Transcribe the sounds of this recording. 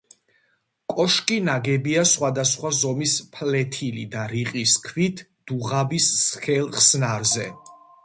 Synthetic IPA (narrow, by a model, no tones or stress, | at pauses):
kʼɔʃkʼinaɡɛbiasχwad̪asχwazɔmispʰlɛt̪ʰilḭd̪aɾiqʼiskʰwit̪ʰ | d̪̥uʁabisːχɛlˠχsnaɾzɛ